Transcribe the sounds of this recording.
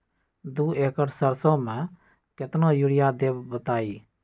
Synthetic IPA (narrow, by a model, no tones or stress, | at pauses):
d̪ueːkəʈsəɾsɔ̃mɛ̃ | kɪt̪nõjuɽɪjad̪eːbbɐt̪aːiː